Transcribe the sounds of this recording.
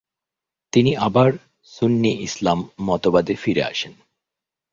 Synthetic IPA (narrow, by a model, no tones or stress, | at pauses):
t̪iniʔabaɾ | sunːiʔislamːɔt̪obad̪efiɾḛa̰ʃen